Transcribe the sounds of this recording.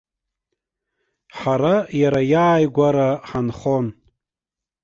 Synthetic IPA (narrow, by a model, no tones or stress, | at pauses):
ħaɾajaɾajaːjɡʷaɾaħanχon